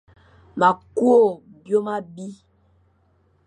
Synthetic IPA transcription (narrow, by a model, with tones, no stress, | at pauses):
ma˨ku˦o˦˨ | bjo˦ma˦bi˦